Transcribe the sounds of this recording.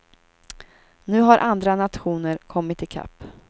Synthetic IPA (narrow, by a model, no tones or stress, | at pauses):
nʉ̟ːɦaɾʔand̪ɾanat̪ɧuːnəɾkʰɔmːɪt̪ɪkʰa̰pː